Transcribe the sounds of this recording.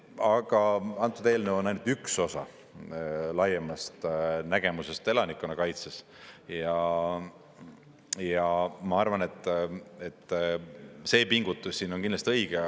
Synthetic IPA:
ɑɡ̥ɑɑnt̪ːˑud̪e̞ːlneo̞nɑjnut̪ykso̞sɑ̰ | lɑjemɑst̪næɡ̥e̞muse̞st̪e̞lɑnikːˑunɑkɑjt̪ses | jɑ | jɑmɑɑrvɑne̞t̪ːˑe̞t̪ː | se̞ːpiŋɡ̥ut̪ːˑussiːnonkinlɑst̪iɤjɡ̥e

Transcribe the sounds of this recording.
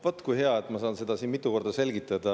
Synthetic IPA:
vot̪ːˑkujɦe̞ɑet̪ːˑmɑsɑːnse̞d̪̥ɑsiːnmit̪ːˑuko̞rd̪ɑse̞lʲɡit̪ːˑɑd̪̥ɑ

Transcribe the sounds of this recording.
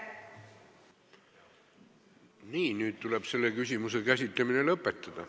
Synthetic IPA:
niːnyːd̪t̪ule̞b̥se̞lːe̞kysʲimuse̞kæsʲit̪ˑlemine̞lɤpːˑet̪ːˑɑd̪̥ɑ

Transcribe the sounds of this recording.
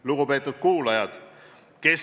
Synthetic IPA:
luɡ̥upe̞ːt̪ːˑud̪̥̚kuːlɑjɑd̪̥ | ke̞s

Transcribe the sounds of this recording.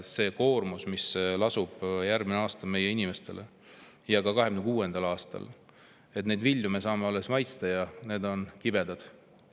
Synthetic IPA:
se̞ːko̞ːrmusmislɑsub̥jærɡ̥mineɑːst̪ɑme̞je̞inime̞st̪e̞̰le | jɑkɑkɑɦeɡ̥ynekuːe̞nd̪̥ɑlɑːst̪ɑ̰l | et̪nejd̪viljumesɑːmeolːesmɑjt̪st̪ɑjɑne̞ːd̪o̞nkibe̞d̪̥ɑd̪̥

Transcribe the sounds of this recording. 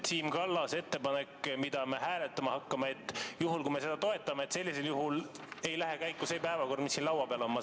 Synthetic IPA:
t̪iːmkɑlːɑse̞t̪ːe̞pɑne̞kːmid̪̥ɑme̞ɦæːle̞t̪ːˑɑmɑhɑkːɑmeet̪ːˑjuɦulkujme̞se̞d̪ɑt̪o̞e̞t̪ːˑɑmeet̪se̞lːise̞ljuɦul | e̞jlæɦekæjkːuse̞ːpæevɑko̞rd̪misːinlɑwɑpeɑlomːɑ

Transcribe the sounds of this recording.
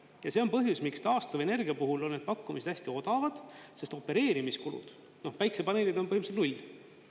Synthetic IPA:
jɑse̞o̞npɤɦjusmikst̪ɑːst̪ɑve̞ne̞rɡiɑpuɦulo̞nːed̪̚pɑkːumise̥æsʲt̪io̞d̪̥ɑvɑd̪̥se̞st̪o̞pːe̞ɾe̞ːɾimiskulṵd̪̥ | no̞hpæjksepɑneːlid̪̥o̞npɤhimset̪nulʲ

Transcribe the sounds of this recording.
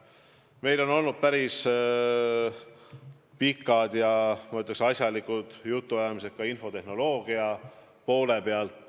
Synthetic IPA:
me̞jlo̞no̞lnud̪̥̚pæɾis | pikːˑɑd̪jɑmɑyt̪ˑleksɑsjɑlikud̪̥jut̪ːuɑjɑmis̬ek̪kːɑinfo̞t̪e̞hno̞lo̞ːɡ̥iɑ | po̞ːle̞pe̞ɑlt̪ːˑ

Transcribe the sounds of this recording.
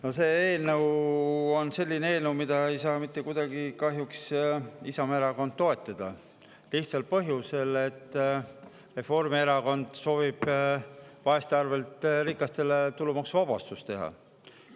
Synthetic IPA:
no̞se̞ːeːlnəwo̞nse̞lʲːineeːlnəwmid̪̥ɑe̞jsɑːmit̪ˑːe̞kud̪̥ɑɡikɑɦjuksisɑme̞ɾɑko̞nd̪̥̚t̪ːo̞e̞t̪ˑːɑd̪̥ɑ | liht̪sɑlpɤɦjuse̞le̞t̪ːˑ | re̞fo̞rmieɾɑko̞nd̪̥so̞ːvib̥ | vɑe̞st̪eɑrve̞lt̪ɾikːˑɑst̪e̞le̞t̪ulumɑksvɑb̥ɑst̪ust̪e̞ɦɑ̰

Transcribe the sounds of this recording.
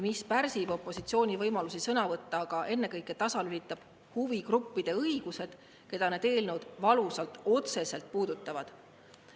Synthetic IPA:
mispæɾsib̥o̞pˑːo̞sit̪sio̞ːnʲivɤjmɑlusisɤnɑvɤt̪ːɑːɡ̥ɑʔe̞nːe̞kɤjkːˑe̞t̪ɑsɑlylit̪ːˑɑb̥ | huvikrupːid̪̥e̞ɤiɡ̥use̞d̪̥ | ke̞d̪̥ɑned̪e̞ːlnəwd̪̥vɑlusɑlt̪ˑo̞t̪se̞se̞lt̪̚puːd̪̥ut̪ːˑɑvɑd̪̥

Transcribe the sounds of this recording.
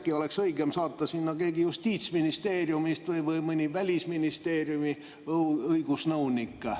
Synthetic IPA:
kioleksɤikemsɑːt̪ːɑsinːokeikijust̪iːt̪sminist̪eːrjumist̪ʋəiʋəimənʲiʋælʲisminist̪eːrjumi | ɤikusnounikːɑ

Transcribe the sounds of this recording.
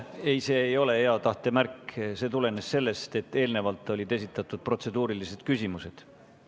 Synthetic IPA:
e̞jse̞ːjo̞le̞he̞ɑt̪ɑht̪e̞mærkːse̞t̪ule̞ne̞sse̞lːe̞st̪e̞t̪ːe̞ːlne̞vɑlt̪ˑːo̞lʲid̪e̞sit̪ːˑɑt̪ːˑud̪̥̚pro̞t̪se̞d̪uːɾilise̞d̪̥kysʲimuse̞d̪̥

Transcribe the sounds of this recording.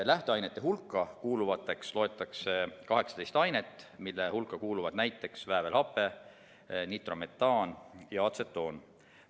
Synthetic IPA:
læht̪eɑjnet̪ːe̞ɦulkˑːɑkuːluvɑt̪ːˑe̞kslo̞e̞t̪ːˑɑksekɑɦe̞ksɑt̪e̞jst̪ɑjnet̪ːˑmilːehulkːˑɑkuːluvɑd̪̥næjt̪ːˑe̞ksvæevelhɑpːˑe̞ | nit̪ro̞me̞t̪ːɑːnjɑɑt̪se̞t̪ːˑo̞ːn

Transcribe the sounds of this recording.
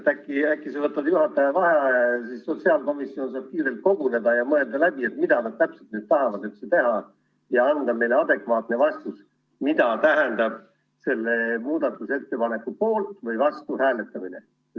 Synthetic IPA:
t̪ækˑːiækːˑisevɤt̪ːˑɑdjuɦɑt̪ːˑɑjɑvɑɦɑsisːo̞t̪siɑlko̞misio̞nsɑːb̥̚kiːɾe̞lt̪̚ko̞ɡ̥une̞d̪ɑjɑmɤe̞ld̪ɑlæb̥ie̞t̪mid̪̥ɑnɑd̪̥̚t̪æpselt̪nyːd̪̥t̪ɑɦɑvɑd̪yt̪set̪e̞ɦɑ | jɑɑnd̪ɑme̞jle̞ɑd̪e̞kvɑːt̪ne̞vɑst̪us | mid̪̥ɑt̪æɦænd̪ɑb̥̚ | se̞lːe̞muːd̪̥ɑt̪ːˑuse̞t̪ːe̞pɑne̞kːˑupo̞ːlt̪vɤjvɑst̪uhæːle̞t̪ːˑɑmine̞

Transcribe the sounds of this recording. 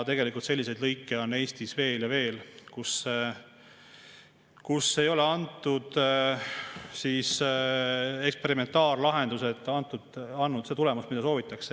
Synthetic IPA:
t̪e̞ɡe̞likˑult̪se̞lːis̬e̞jd̪lɤjkːeo̞nːe̞ːst̪isve̞ːljɑve̞ːlkus | kusːejo̞le̞ɑnt̪ːˑud̪̥ | sis | e̞kspe̞ɾime̞nt̪ːˑɑːrlɑɦe̞nd̪̥use̞t̪ːˑɑnt̪ːˑud̪ɑnːut̪se̞t̪ule̞must̪mid̪̥ɑso̞ːvit̪ːˑɑkse

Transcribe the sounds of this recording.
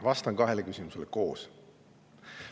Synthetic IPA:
vɑst̪ɑnkɑɦe̞lekysʲimuseleko̞ːs

